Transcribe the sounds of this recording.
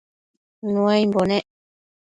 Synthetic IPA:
nũãjmbonẽ

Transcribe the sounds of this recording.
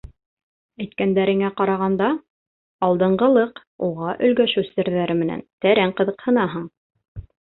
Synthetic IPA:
æjt̪̚kænd̪æɾɘ̆ŋæqɑɾɑʁɑnd̪ɑ | ɑlˠd̪ɤ̆ɴɢɤ̆lˠɤq | uʁɑʔɵ̆lɡæʃɵwsɘ̆ɾðæɾɘmɘ̆næ̰nt̪æɾæɴqɤ̆ðɤ̆qhɤ̆nɑɦɤɴ

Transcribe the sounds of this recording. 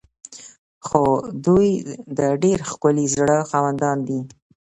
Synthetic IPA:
xod̪ujd̪əɖeɾxkʊlizɽəxɑwand̪ɑnd̪i

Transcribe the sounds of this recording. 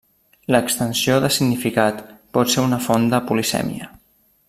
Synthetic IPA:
ləkst̪ənsioðəsiɡnifikat̪pɔt̪seunəfond̪əpulisɛ̰mḭə

